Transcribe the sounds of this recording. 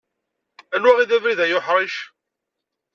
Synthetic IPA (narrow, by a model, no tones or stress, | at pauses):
ælæʁiðævɾiðæjʊħɾˤiʃ